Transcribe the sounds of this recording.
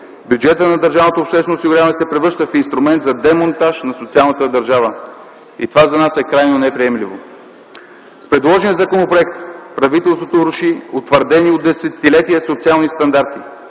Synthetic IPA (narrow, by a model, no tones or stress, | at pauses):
bʲjʊd͡ʒɛt̪ənɐd̪əɾʒavnot̪opʃt̪ɛsvɛnosiɡuɾjamɛsɛpɾɛvɤɾʃt̪əfinst̪ɾʊmɛnt̪zɐd̪ɛmont̪aʃnɐsot̪sialˠnət̪əd̪ɐɾʒavə | ḭt̪ovazɐnasɛkɾajnonɛpɾiɛmlivo | spɾɛd̪lˠɔʒniəzɐkonopɾoɛk̚t̪pɾɐvit̪ɛlˠst̪vot̪oɾʊʃiot̪vəɾd̪ɛniod̪ːɛsɛt̪ːilɛt̪iəsot̪sialˠnist̪ɐnd̪aɾt̪i